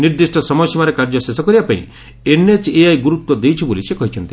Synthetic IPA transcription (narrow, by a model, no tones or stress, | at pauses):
niɾd̪isʈʰɔsɔmɔjsimaɾekaɾd͡ʒɔsesɔkɔɾibapaḭ̃ | enet͡ʃeajɡuɾut̪wɔd̪ejt͡ʃʰibolisekɔɦit͡ʃʰɔnt̪i